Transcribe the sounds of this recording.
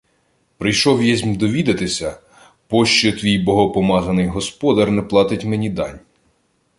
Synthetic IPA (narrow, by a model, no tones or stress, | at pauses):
pɾɪjʃɔwjɛzʲmʲd̪ɔʋʲid̪ɐt̪ɪsʲɐ | pɔʃt͡ʃɔt̪ʋʲijbɔɦɔpɔmɑzɐnɪjɦɔspɔd̪ɐrnɛplˠɑt̪ɪtʲmenʲid̪ɑ̰nʲ